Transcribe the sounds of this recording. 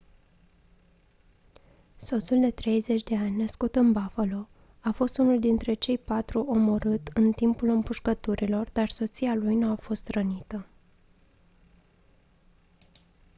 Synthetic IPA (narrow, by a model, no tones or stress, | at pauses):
so̞t̪suld̪e̞t̪ɾe̞jze̞t͡ʃʲd̪e̞anʲnəskut̪ɨnbafalo̞ | afo̞st̪unuld̪int̪ɾe̞t͡ʃe̞jpat̪ɾuʔo̞mo̞ɾɨt̪ɨnt̪impulɨmpuʃkət̪uɾilo̞rd̪arso̞t̪sialujnuafo̞st̪ɾənit̪ə